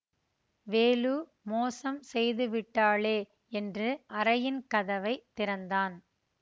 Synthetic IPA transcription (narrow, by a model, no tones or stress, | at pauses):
ʋeːluː | moːsɐmsɛjðɯʋɪʈːaːɭeː | ɛndrɯʔɐɾɐjɪnkɐðɐʋɐɪt̪ːɪɾɐnd̪aːn